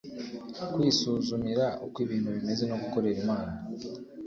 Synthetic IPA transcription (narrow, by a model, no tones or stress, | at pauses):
kwiːsuːzumiɾaʔokwiβiːn̥huβime̞ze̞no̞ɡuko̞ɾe̞ɾimaːna